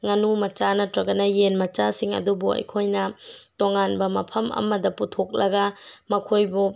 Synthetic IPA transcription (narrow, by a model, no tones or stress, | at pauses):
ŋɐnumɐt͡ʃanɐtɾɐɡɐnɐjenmɐt͡ʃasiŋɐ̰dubuɐ̰jkʰojnɐtoŋanbɐmɐpʰɐmɐ̰mɐdɐputʰok̚lɐɡɐmɐkʰojbu